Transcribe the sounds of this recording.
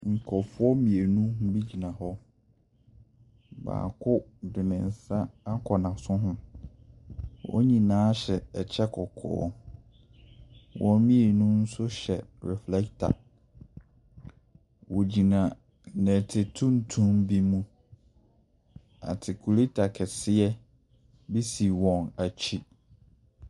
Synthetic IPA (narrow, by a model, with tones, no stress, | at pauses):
ŋ̩˨kʰɔ˨fʊ˦ɔ˦mĩ˨e˨nũ˦ɦbi˦d͡ʑi˨nã˨ɦɔ˦ | ba̰ː˨kʰʊ˦dɪ˨nɪ̃˨n̩˨sa˦a˦kʰɔ˨nã˨sʊ̃˦ɦʊ̃˦ | wɔ̰˦ɲĩ˨nãː˨˦ɕɛ˨t͡ɕʰɛ˦kʰɔ˨kʰɔ̰ː˨˦ | wɔ̃˦mĩ˦e˨nũ˦n̩˦sʊ˦ɕɛ˨ɹɛ˨flɛ˦ktʰa̰˨ | wo˨d͡ʑi˨nã˨ | nɛ̃˨tʰe˨tʰũ˦n˨tʰũ˦mbi˦mũ˦ | a̰˨tʰɪ˨kʰu˨le˦tʰa˨kʰɛ˨sɪ˦ɛ˦ | bi˦si˨wɔ̃˨na˨t͡ɕʰi˦